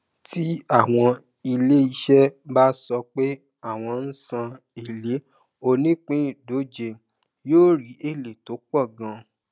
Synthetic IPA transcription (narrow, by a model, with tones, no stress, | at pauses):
ti˦a˦˨w̃ɔ̃˧ | i˧le˦i˧ʃɛ˦ba˦sɔ˧k͡pe˦ | a˦˨w̃ɔ̃˧n̩˦sã˧ | e˨le˨˦ | o˧nĩ˦k͡pĩ˦˨do˨˦d͡ʒe˧ | joː˦ɾi˨˦ʔe˦˨le˨to˨˦k͡pɔ˦˨ɡã˧